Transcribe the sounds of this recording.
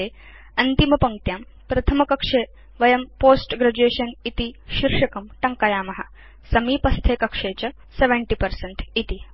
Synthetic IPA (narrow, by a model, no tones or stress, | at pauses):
eː | ɐnt̪imɐpɐŋ̚t̪jaːm | pɾɐt̪ʰɐmɐkɐkʂeː | ʋɐjɐmpoːsʈɡɾɐd͡ʑueːʃɐnit̪iʃiɾʂɐkɐmʈɐŋkajaːmɐɦɐ̰ | sɐmiːpɐst̪ʰeːkɐkʂeːt͡ɕɐ | seʋɐɳʈiːpɐɾsɐɳʈit̪i